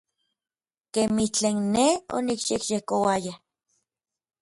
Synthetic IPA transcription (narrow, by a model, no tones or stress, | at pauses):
kemiht͡ɬeːnːeo̰nikʃekjehkowaja